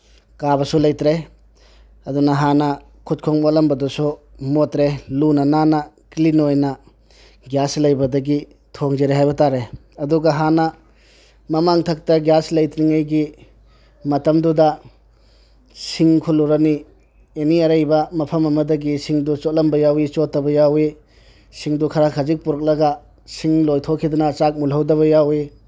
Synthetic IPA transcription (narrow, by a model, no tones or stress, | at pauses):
kabɐsulɐjtɾe | ɐdunɐɦanɐ | kʰut̚kʰoŋmotlɐmbɐdusu | motɾelunɐnanɐ | klinojnɐ | ɡjaslɐjbɐdɐɡi | tʰoŋzeɾehajbɐtaɾe | ɐduɡɐɦanɐ | mɐmaŋtʰɐk̚tɐɡjaslɐjtɾiŋajɡi | mɐtɐmdudɐ | siŋkʰuluɾɐni | eniɐɾɐjbɐmɐpʰɐmɐmɐdɐɡisiŋdut͡ʃot̚lɐmbɐjawit͡ʃotːɐbɐjawi | siŋdukʰɐɾakʰɐzik̚puɾɐk̚lɐɡɐ | siŋlojtʰokʰidɐnɐːt͡ʃak̚mulɦɐwdɐβɐjawi